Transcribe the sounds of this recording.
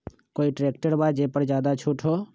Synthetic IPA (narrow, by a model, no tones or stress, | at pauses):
koːiʈɾeːk̚ʈəɾbaːd͡ʒeːpəɾd͡ʒjaːd̪at͡ʃʰuʈʰɦoː